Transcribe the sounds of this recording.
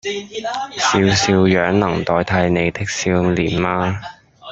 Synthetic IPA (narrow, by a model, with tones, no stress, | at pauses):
siː˨˧wsiː˧wjœː˨˥ŋnɐ˨˩ŋt̪ɔː˨˥jt̪ʰɐ˧jne˨˧jt̪ɪ˥k̚siː˧wliː˨˩nmaː˧